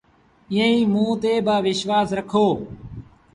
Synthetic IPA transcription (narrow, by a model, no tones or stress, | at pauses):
ɪːə̃ĩːmũːt̪eːbaːʋɪʃʋaːsɾəkʰoː